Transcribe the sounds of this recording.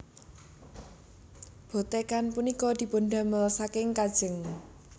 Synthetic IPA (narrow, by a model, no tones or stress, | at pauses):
b̥o̤t̪ekanpunikɔd̪̥i̤poɳɖa̤mələsakɪŋkad̥ʒ̥əŋ